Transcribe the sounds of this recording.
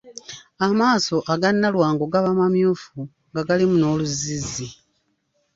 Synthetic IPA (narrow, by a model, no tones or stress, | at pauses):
amaːso̞ʔaɡanːalwaːŋɡoɡaβamamjuːfu | ŋɡaɡalimuno̞ːluzizi